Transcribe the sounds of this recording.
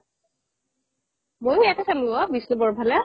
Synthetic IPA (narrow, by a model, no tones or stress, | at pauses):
mojɛtɛsalabisnubɔɹbʱalɛ